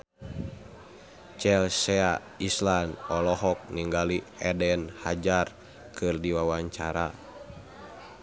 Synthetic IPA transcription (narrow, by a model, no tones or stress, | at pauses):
t͡ʃɛlsɛa | islanɔlɔɦɔk̚niŋɡaliɛdɛnhad͡ʒar | kʰɨrdiwawaɲt͡ʃaɾa